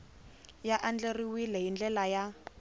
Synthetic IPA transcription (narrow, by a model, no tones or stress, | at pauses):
jaʔand͡ɮeriwilɛɦind͡ɮɛlaja